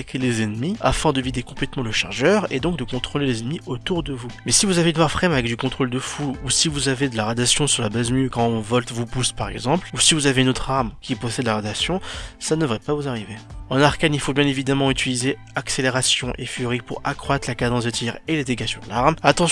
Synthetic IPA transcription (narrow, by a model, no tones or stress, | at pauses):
kʰʲelezɛnmia̰fɛ̃d̪əvid̪ekɔ̃plɛt̪mɑ̃ləʃa̰ʁʒœʁḛd̪ɔ̃k̚d̪əkɔ̃t̪χolelezɛnmiot̪uʁd̪əvumɛsivuzavenaʁfχɛmavɛk̚d̪ykɔ̃t̪χold̪əfuusivuzaved̪əlaʁad̪asjɔ̃syʁlabazmykɑ̃ɔ̃vɔlt̪vupuspaʁɛ̰ɡzɑ̃plusivuzaveynot̪χaʁmkʲipɔsɛd̪laʁad̪asjɔ̃sanəvʁɛpavuzaʁiveɑ̃naʁkanilfobjɛ̃nevid̪amɑ̃yt̪ilize | akseleʁasjɔ̃ʔefyʁipuʁakχwat̪χlakad̪ɑ̃s̬d̪ət̪ʰjɛʁeled̪eɡasjɔ̃d̪əlaʁmat̪ɑ̃